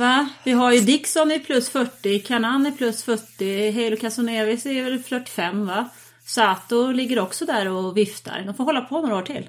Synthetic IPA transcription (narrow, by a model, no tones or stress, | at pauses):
vavɪɦajɵd̪ɪksɔnɪpʰlɵsːfœʈːɪkʰaɳanːɪpʰlɵsfœʈːɪɦɛjlɔkʰasʊneːvɪsɛvɛlflœʈːɪ̥fɛmːva | sɔat̪̚ːd̪ɔlɪɡːədɔksɔd̪æɾɔvɪft̪ʰa̰ɾd̪ɔmfoɾɦɔlːapʰɔnoːɾaoːʈʰɪ̰l